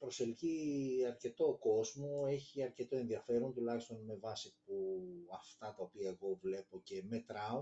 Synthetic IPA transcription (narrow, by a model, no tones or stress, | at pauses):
pɾo̞se̞lciɐɾce̞t̪o̞ko̞zmoe̞çiɐɾce̞t̪o̞e̞nðiɐfe̞ɾo̞nt̪ulɐçi̥st̪o̞nme̞vɐsipuɐft̪ɐt̪ɐopiɐe̞ɣo̞vle̞po̞ce̞me̞t̪ɾɐo